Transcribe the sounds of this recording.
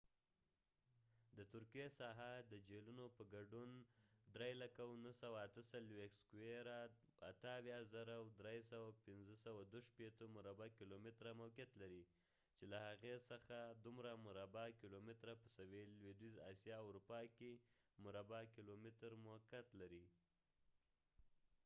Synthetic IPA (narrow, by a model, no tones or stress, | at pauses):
d̪ət̪ʊɾkijesɑɦad̪əd͡ʒelunopəɡaɖund̪ɾejlakawnəsawaːt̪əsalwexskuweɾa | a̰t̪əawjɑzaɾawd̪ɾesawapɪnzəsawad̪oʃpet̪omʊɾabakilomɪt̪ɾamawkjat̪laɾi | t͡ʃelahaɣesəxad̪umɾamʊɾabakilomɪt̪ɾapəsawelwed̪wizɑ̰sjɑːwɾupɑkemʊɾabakilomɪt̪ɾmʊkat̪laɾi